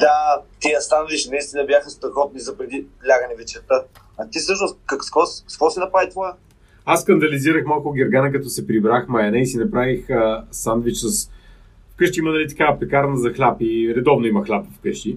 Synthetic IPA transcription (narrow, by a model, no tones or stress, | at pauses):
d̪at̪iɐst̪anviʃnɐist̪inəbjaxəst̪ɾɐxɔt̪̚nizɐpɾɛd̪ilʲaɡənɛvɛt͡ʃɛɾt̪a | ɐt̪ifsɤʃnost̪kɐkskvɔsskvɔsinɐpɾad̪it̪vaɛ | asːkɐnd̪ɐliziɾəxmalˠkoɡɛɾɡanɛk̬ɐt̪ɔsɛpɾibɾaxmɐjɐnɛisinɐpɾavixəsand̪vit͡ʃsəs | fkɤʃt̪iimɐnɐlit̪ɐ̥kapɛkaɾnəzɐxlʲapiɾɛd̪ɔvnoimɐxlʲapvfkɤʃt̪i